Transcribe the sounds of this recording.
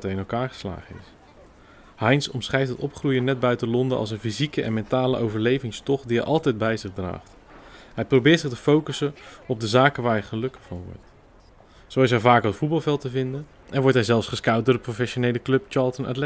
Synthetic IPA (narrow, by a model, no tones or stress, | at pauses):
tɛɹɪnɛlˠkaːɹχə̥sla̰ːχənɪ̰s | hɑjnsɔmsχɛjtɦətɔpχrujənɛd̚bœɥtəlɔndəɑ̰lˠs̬ənfizikəʔɛ̰nmɛntaːləʔowvəɹlejvɪŋstɔχdiɦɛjʔɑlˠtɛjd̚bɛjzɪχdra̰ːχt | ɦɛjprowbɪːɹtsɪχtəfowkəsənɔb̚dəzaːkənʋaːɹɛχəlɵkəfɑnʋɔ̰ɹt | sowɪs̬ɦɛvaːkəətfut̚bɑlˠvɛlˠtəvɪndən | ʔɛnʋɔɹtɦɛjzɛlˠfsχəskɑwt̚dʊːdəprofɛʃonejləklɵpt͡ʃɑːɹlˠtəna̰tlɛ